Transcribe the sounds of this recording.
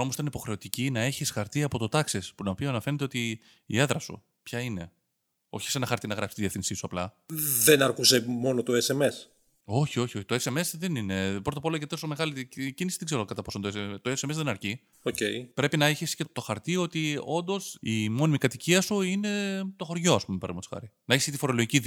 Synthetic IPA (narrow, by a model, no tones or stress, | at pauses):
omost̪ɐnipo̞xɾe̞o̞t̪icinɐe̞çisxɐɾt̪iɐpo̞t̪o̞t̪ɐksespunɐopioɐnɐfe̞ɾnet̪e̞o̞t̪i | ḭe̞ðɾɐsṵ | pçɐine̞ | o̞̰çi̥senɐxɐɾt̪inɐɣɾɐpsi̥t̪iðiefθinsisuɐplɐ | ðenɐɾkuse̞mo̞not̪oese̞me̞s | o̞çio̞çio̞çi̥t̪oese̞me̞sðenine̞pɾot̪ɐpolɐjet̪t̪osome̞ɣɐlicinisi̥ðeɡze̞ɾokɐt̪ɐpo̞so̞nt̪oeseet̪oeseme̞zðenɐɾci | ocejpɾe̞pinɐeçescet̪o̞xɐɾt̪io̞t̪io̞nd̪o̞simo̞nimikɐt̪iciɐsuine̞t̪o̞xo̞ɾʝo̞ɐspumepɐɾmet̪so̥xɐ̰ɾinɐeçescet̪ifo̞ɾo̞lo̞ʝici